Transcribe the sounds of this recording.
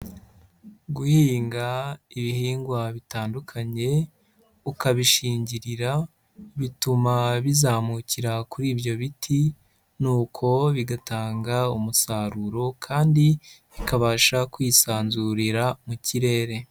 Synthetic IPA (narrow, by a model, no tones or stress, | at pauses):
ɡuhiːŋɡaiβihiːŋɡwaβitaːndukʰaɲe̞ | ukaβiʃiːɲɟiɾiɾa | βitumaβizaːmuciɾakuɾiːbjo̞βitʰi | nuːkʰo̞βiɡataːŋɡaumusaːɾuɾo̞kʰaːndi | βikaβaːʃakwiːsaːnzuɾiɾamuciɾe̞ːɾe̞